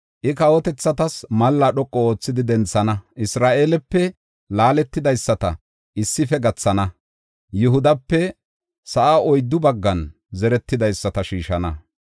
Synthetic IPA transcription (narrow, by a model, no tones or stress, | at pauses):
ʔɪkɐwɔt̪ɛt͡sːɐt̪ɐsmɐlːɐɗɔkʼːɔo̞ːt͡sːɪd̪ɪd̪ɛnt͡sːɐnɐʔɪsɾaːʔeːlɛpːɛ | laːlɛt̪ːɪd̪ɐjsːɐt̪ɐ̰ | ʔɪsːɪfɛɡɐt͡sːɐnɐ | jʊɦʊd̪ɐpːɛ | sɐʔaʔɔjd̪ːʊbɐɡːɐn | zɛɾɛt̪ːɪd̪ɐjsːɐt̪ɐʃiːʃɐnɐ